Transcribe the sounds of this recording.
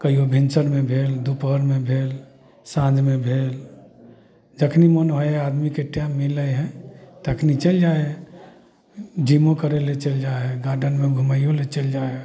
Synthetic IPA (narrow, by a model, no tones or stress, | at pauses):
kəiobʱinsəɾmẽbʱeld̪upɦəɾmebʱel | sãd͡ʒmebʱel | d͡ʒəkʰnimənɦojad̪mikeʈamːiləɦɛ̃t̪əkʰnit͡ʃəld͡ʒae | d͡ʒimõkəɾelet͡ʃəld͡ʒaɡaɾɖənmeɡʱuməijolet͡ʃəld͡ʒae